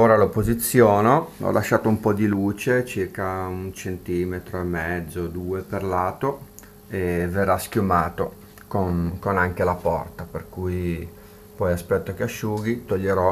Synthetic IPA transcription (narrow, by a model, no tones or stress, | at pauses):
oːɾalopozit̪sːjoːnoɔ̰lʔaʃːaːt̪oumpɔd̪iluːt͡ʃet͡ʃirkaunt͡ʃent̪iːmet̪ɾoemːɛd̪zːod̪uːeperlaːt̪o | everːaskʲjumaːt̪o | konkonaŋk̟elapɔ̰rt̪aperkuj | pɔjaspɛt̪ːokeaʃːuːɡit̪oʎːeɾɔ